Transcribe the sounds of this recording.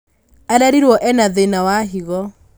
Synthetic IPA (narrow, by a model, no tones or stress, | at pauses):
aɾaɾiɾwɔʔɛnaðenawaɦiɣɔ